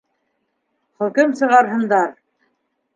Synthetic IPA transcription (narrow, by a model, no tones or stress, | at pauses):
χɵ̆kɘmsɤ̆ʁɑɾɦɤ̆nd̪ɑɾ